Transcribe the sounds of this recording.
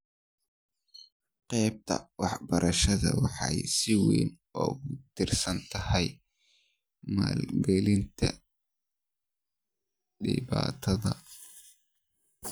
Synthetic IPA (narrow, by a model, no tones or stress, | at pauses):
qɛjb̚t̪ʰɐwɑħbɐɾʔɐʃɐðɐ̰wɑħɑjsɪwḭːn | ɔːɣʊt̪ʰɪrsɐnt̪ʰɐhɛj | maːlɡɛlɪnt̪ʰɐ | ɖɪ̰βaːt̪ʰɐðɐ